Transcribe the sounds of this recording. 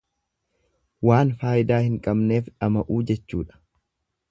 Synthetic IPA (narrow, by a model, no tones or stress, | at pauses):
waːnfaːjɪd̪aːhɪŋkʼɐbne̞ːfᶑɐmɐʔuːd͡ʒɛt͡ʃːuːᶑɐ̥